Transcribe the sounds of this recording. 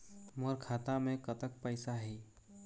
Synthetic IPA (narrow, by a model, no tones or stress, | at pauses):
məɾkʰaːt̪amẽkət̪ək̚pəɪsaɦiː